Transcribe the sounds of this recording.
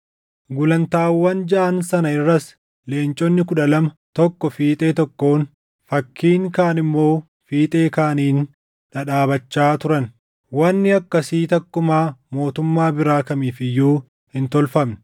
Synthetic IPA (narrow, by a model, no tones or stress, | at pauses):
ɡʊlɐnt̪aːwːɐnd͡ʒɐʔɐnsɐnɐɪrːɐs | le̞ːnt͡ʃʼɔnːɪkʊᶑɐlɐmɐ | t̪ɔkːɔfiːt̪ʼe̞ːt̪ɔkːo̞ːn | fɐkʰːiːŋkaːnɪmːo̞ː | fiːt̪ʼe̞ːkaːniːn | ᶑɐᶑaːbɐt͡ʃːaːt̪ʊɾɐn | wɐnːɪɐkːɐsiːt̪ɐkːʊmaːmo̞ːt̪ʊmːaːbɪɾaːkɐmiːfɪjːuː | hɪnt̪ɔlfɐmnɪ̥